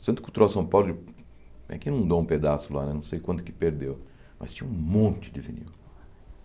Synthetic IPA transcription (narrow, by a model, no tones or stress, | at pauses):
sẽt̪ʊkɪut̪uɾawsɐ̃w̃pawlʊɪ | a̰kinɐ̃w̃d̪oũped̪asʊla̰nɛnɐ̃w̃sejkwɐ̃nt̪ʊkɪpeɾd̪ew | mɐ̰st͡ʃĩɲɐũmõnt͡ʃɪd͡ʒɪvḭnḭw